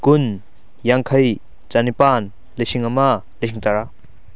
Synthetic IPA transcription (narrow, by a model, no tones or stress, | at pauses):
kʊn | jaŋkʰɐj | t͡ʃanipaːn | lesiŋama | lisʰiŋt̪aɾa